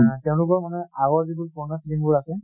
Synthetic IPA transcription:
tɛʊ̃lʊk̬ɔɹmanɛaɣɔɹzibuɹpɔɹnasiliŋbʊɹasɛ

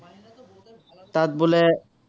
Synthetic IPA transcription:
t̪at̪̚bole

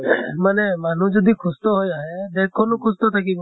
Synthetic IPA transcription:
manemanũd͡ʒɔd̪ʱikʰʊst̪ɔɦojaɦed̪ekʰːɔnukʰʊst̪ɔt̪ʰakib

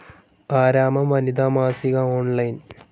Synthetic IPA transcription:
aːɾaːmɐmʋɐnid̪aːmaːsiɣɐoːɳlɐjn

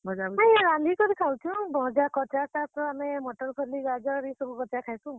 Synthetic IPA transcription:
bʱɔd͡ʒabajɾand̪ikɔɾikʰawt͡ʃʰũbɔɦd͡ʒakɔt͡ʃat͡ʃat̪ɾɔamemɔʈɔɾpʰɔɾliɡad͡ʒɔɾisɔbukɔt͡ʃakʰajt̪ũ

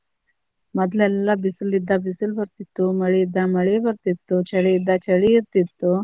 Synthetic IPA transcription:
məd̪ʱlalːabisəlid̪abisəlbəɾt̪it̪oməɭed̪ːaməɭebəɾt̪it̪ːot͡ɕʰəɽeid̪at͡ɕəɭiɾt̪it̪ːo

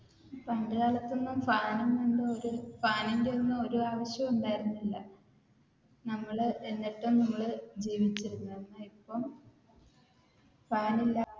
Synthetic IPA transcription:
pɐɳɖɨɣaːɭɐt̪ːonːumfaːnɐmnoɳɖɨoɾufaːninde̞o̞nːumo̞ɾuaːʋɐɕjɐmuɳɖaːjiɾunːilːɐ | nɐmːɐɭɨe̞nːiʈːumnɐmːɐɭɨd͡ʑiːʋit͡ɕːiɾunːɐnːaipːɐm | faːnilːɐ

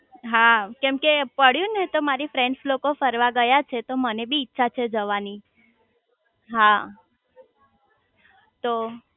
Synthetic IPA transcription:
ɦakɛmkepəɽ̤jũnet̪omaɾifɾɛɳɖslokofəɾʋaɡəjat͡ʃʰet̪omənebiːtːʃʰat͡ʃʰed͡ʒəʋani | ɦa | t̪o

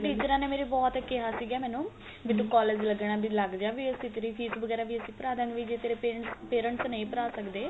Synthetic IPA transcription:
ʈiːt͡ʃəɾãːneːmeːɾeːbɔːt̪əkeɦaːsiːɡɛːmɛ̃ːnũː | biːt̪ũːkɔːleːd͡ʒləɡɽãːb̪iləɡd͡ʒãːʋiːəsĩːt̪eːɾiːpʰiːsʋəɡɛːɾaːʋiːəsĩːpəɾaːd̪ãːɡʋiːd͡ʒeːt̪eːɾeːpeːəɳʈspeːɾəɳʈsnəĩːpəɾaːsəkd̪eː

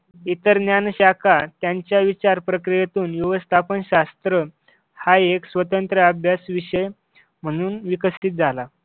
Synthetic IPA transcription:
it̪əɾnjanɕakʰat̪jaɲt͡ɕjaʋit͡ɕaɾpɾəkɾijat̪uːnjuʋəst̪ʰapənɕast̪ɾə | haeksʋət̪ənt̪ɾəəbʱjasʋiɕəj | m̤əɽ̃uːnʋikəsit̪̚d͡zʱala

